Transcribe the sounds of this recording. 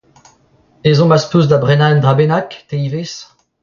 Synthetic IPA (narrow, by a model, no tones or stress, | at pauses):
ezɔ̃maspuzd̪abʁɛnand̪ʁabenakt̪eives